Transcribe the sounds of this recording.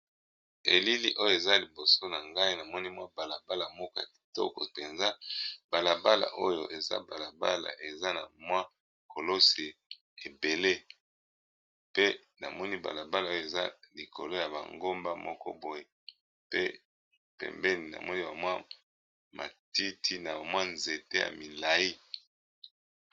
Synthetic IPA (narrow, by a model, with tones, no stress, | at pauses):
e˨li˦li˦ʔo˦jo˦˨e˨za˦li˨bo˨so˦na˨ŋɡa˦i˦na˨mɔ˦ni˦mwa˦ba˨la˨ba˦la˨mɔ˦kɔ˦ja˨ki̥˨tɔ̰˦kɔ̰˨pe˨nza˦ba˨la˨ba˦la̰˨ʔo̰˦jo̰˨ʔe˨za̰˦ba˨la˨ba̰˦la̰˨ʔe˨za˦na̰˨mwa˦ | ko˨lo˦se˨ | e˨be˨le˦ | pe˦ | na̰˨mɔ˦ni˦ba̰˨la˨ba˦la˨o˦jo˦e˨za̰˦li˨ko̰˨lo˦ja˨ba̰˨ŋɡo˦mba˦mɔ̰˦kɔ̰˦bo˨je˦ | pe˦ | pɛ̰˨mbɛ˦ni˨na̰˨mɔ˦ni˦ba˨mwa˦ | mʔa̰˨ti˦tʰi˦na˨ba˨mwa˦nze˨te˦ja̰˨mi˨la˨i˦